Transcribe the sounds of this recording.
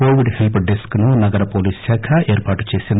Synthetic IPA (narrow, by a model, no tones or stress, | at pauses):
oːʋiɖhelpɖeskknunɐɡɐɾɐpoːliːssaːkʰɐʔeːɾpaːʈu̥t͡ʃe̞ːsin